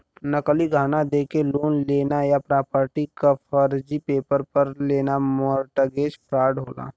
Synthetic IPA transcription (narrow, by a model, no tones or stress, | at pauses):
nəkliɡʱaːnad̪eːkeloːnleːnajapɾaːpəɾʈikapʰəɾd͡ʒipeːpəɾpəɾleːnamɔɾʈəɡeːd͡ʒpʰɾaːɖɦoːla̰ː